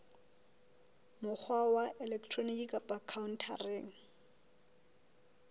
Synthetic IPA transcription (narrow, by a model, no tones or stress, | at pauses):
mʊk͡xʰwawaʔɛlɛktʰronikikʼapʼakʰaʊn̩tʰa̰reːŋ̩